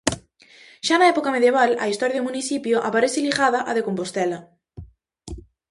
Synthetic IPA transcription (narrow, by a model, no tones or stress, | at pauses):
ʃanɐɛpokɐmeðjeβalɐist̪ɔɾjaðomuniθipjoʔapaɾeθɪliɣaðɐʔaðekompost̪ɛlɐ